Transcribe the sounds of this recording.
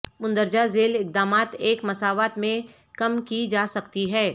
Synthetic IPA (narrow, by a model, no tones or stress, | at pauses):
mʊ̃nd̪əɾd͡ʒazeːlɪk̚d̪aːmaːt̪eːkmɐsaːʋaːt̪mẽ | kɐmkid͡ʒaːsɐkt̪iɦɛː